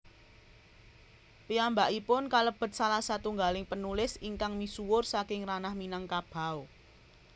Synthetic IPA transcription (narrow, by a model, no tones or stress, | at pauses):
piambaʔipʊnkaləb̥ə̤t̪̚salahsat̪uŋɡalɪŋpənulɪsiŋkaŋmisuwʊrsakɪŋranahminaŋkab̥a̤w